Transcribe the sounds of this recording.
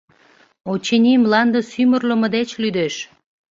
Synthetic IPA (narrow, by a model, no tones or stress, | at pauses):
ot͡ɕenʲimlɑnd̪əsymərləmə̆d̪et͡ɕlyd̪eʃ